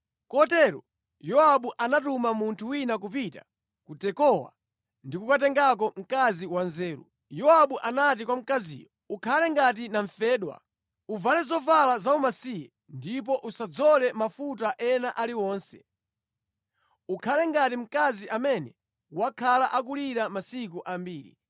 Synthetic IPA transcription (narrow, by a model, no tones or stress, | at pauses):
kɔtɛɾɔ | jɔaɓuʔanatumamuntʰuwinakupita̰ | kutɛkɔwa̰ | ndikukat̬ɛŋɡak̬ɔm̩kaziwanzɛːɾṵ | jɔaɓuʔanatikwam̩kazḭːjɔ | ukʰalɛŋɡat̬inaɱfɛːɗwa̰ | uvalɛzɔvalazaumasijɛ | ndipɔʔusad͡zɔlɛmafut̬aʔɛnaʔaliwɔːnsɛ̥̰ | ukʰalɛŋɡatim̩kaziʔamɛnɛ | wakʰalaʔakuliɾamasikuʔambiːɾḭ